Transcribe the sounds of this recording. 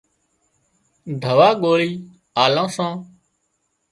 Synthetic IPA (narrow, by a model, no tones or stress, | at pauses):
ɖʱəʋaːɠoːliː | aːlãːsãː